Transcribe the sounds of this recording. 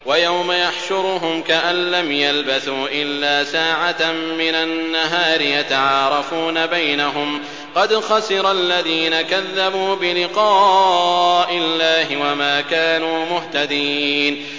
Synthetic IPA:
wajawmajaħʃʊɾɦʊmkaʔanlamjalbaθuːʔɪlːaːsaːʕamɪnanːaɦaːɾɪjat̪aʕɑːɾˤɑfuːnabajnaɦʊm | qɑd̪xɑsɪɾˤalːaðiːnakaðːabuːbɪlɪqɑː | ʔɪlːaːɦɪwamaːkaːnuːmʊht̪ad̪iːn

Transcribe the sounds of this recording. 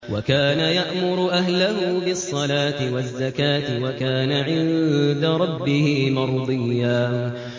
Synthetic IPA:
wakaːnajaʔmʊɾʊʔaɦlaɦuːbɪsˤːɑlaːt̪ɪwazːakaːt̪ɪwakaːnaʕɪnd̪aɾˤɑbːɪhɪmɑɾˤd̪ˤɨjːaːn

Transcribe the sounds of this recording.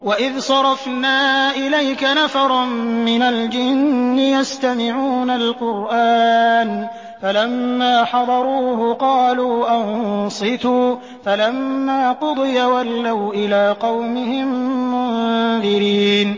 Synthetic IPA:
waʔɪðsˤɑɾˤɑfnaːʔɪlajkanafɑɾˤɑmmɪnald͡ʒɪnːɪjast̪amɪʕuːnalqʊɾʔaːn | falamːaːħɑd̪ˤɑɾˤuːɦʊqɑːluːʔɑnsˤɨt̪uː | falamːaːqʊd̪ˤɨjawalːawʔɪlaːqɑwmɪhɪmːʊnðɪɾiːn

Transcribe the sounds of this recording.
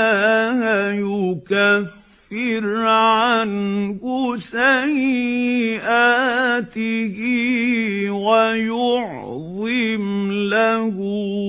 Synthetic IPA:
hajʊkafː | ɪɾʕankʊsaj | ʔat̪ɪhɪ | wajʊʕ | ðˤɨmlahʊ

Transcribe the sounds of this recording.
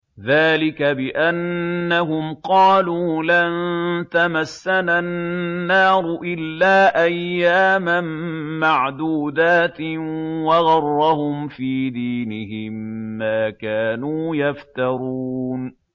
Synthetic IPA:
ðaːlɪkabɪʔanːaɦʊmqɑːluːlant̪amasːananːɑːɾˤʊʔɪlːaːʔajːaːmammaʕd̪uːd̪aːt̪waɣɑrˤːɑhʊmfiːd̪iːnɪɦɪmːaːkaːnuːjaft̪ɑɾˤuːn

